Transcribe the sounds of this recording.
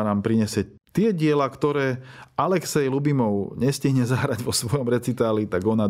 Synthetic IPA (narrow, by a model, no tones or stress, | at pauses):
naːmpɾiɲɛsɪɛ | t̪ɪɛɟɪɛlakt̪ɔɾɛːalɛksɛjlubimɔʊɲɛsciɦɲɛzaɦɾaɟʋɔsʋɔjɔmɾɛt͡sit̪aːlit̪aɡɔna